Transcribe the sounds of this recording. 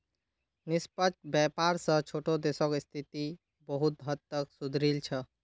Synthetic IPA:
nispət͡ʃbjɛpaɾsə̃t͡ʃʰoʈod̪esɔkist̪ʰit̪i | bəɦut̪̚ɦət̪ːəksud̪ʱɾilt͡ʃʰə

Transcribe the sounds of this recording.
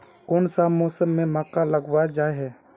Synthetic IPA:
koːnsamɔːsəmːẽmaːkaləɡwad͡ʒaːeɦɛː

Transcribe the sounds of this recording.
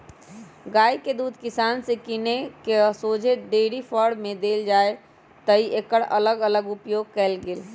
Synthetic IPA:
ɡaiked̪ud̪ʱkisansekinekesod͡ʒʱeɖeɽipʰəɽmed̪eld͡ʒae | t̪əiʔekəɽələɡələɡupjoɡ̚kɛlɡeːl

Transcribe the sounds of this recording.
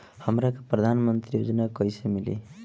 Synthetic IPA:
hʌmɾakoprʌd̪ʱanmʌnt̪rijod͡zʌnakʌjsʌmilḛ

